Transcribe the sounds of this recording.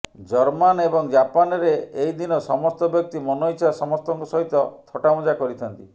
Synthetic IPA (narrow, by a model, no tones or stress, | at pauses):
d͡ʒɔɾmanebɔŋd͡ʒapanɔɾeeɦjd̪inɔsɔmɔst̪ɔbjɔk̚t̪imɔnɔit͡ʃʰasɔmɔst̪ɔŋkusɔɦit̪ɔt̪ʰɔʈamɔd͡ʒakɔɾit̪ʰɔnt̪i